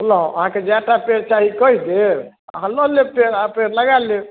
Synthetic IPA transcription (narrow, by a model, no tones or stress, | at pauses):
ulãɐɦãked͡ʒaːʈapeːɾt͡ʃaːɦikoid̪e | ɦɐ̃lolepeːɾapeːɾlɐɡaːle